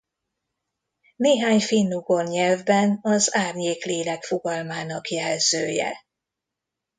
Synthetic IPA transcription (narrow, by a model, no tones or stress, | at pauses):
neːɦaːɲfinːuɡorɲɛlvbɛnɒzaːrɲeːkleːlɛkfoɡɒlmaːnɒkjɛlzøːjɛ̰